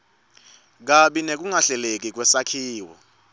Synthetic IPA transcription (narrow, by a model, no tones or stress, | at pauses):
k̬aɓinek̬uŋaɬɛlek̬ik̬wɛsakʰiːwɔ̰